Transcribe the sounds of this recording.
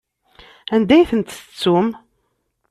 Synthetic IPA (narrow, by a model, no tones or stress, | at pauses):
ænd̪æjθənt̪t͡sːum